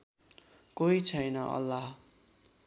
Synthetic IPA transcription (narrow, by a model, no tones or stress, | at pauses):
koit͡sʰʌjnʌʔʌ̰lːaɦ